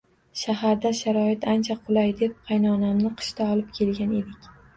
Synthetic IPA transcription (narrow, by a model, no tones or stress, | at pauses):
ʃaɦaɾd̪aʃaɾɒɪt̪ʰant͡ʃʰaqʰʊlˠajd̪ep̚qʰɑjnɒnamnɪqʰɨ̥ʃt̪ʰaɒlˠɪp̚kʲʰe̞lɡʲane̞d̪ɪkʲ